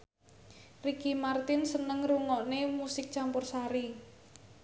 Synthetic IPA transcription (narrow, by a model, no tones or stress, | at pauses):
rikimart̪ɪnsənəŋruŋɔʔnemusɪk̚t͡ʃampʊrsaɾi